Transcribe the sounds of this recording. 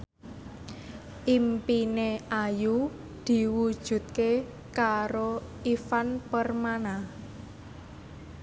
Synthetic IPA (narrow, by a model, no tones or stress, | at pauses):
ʔimpineaju | d̪̥i̤wud̥ʒ̥ṳt̪̚ke | kaɾo | ifanpərmanah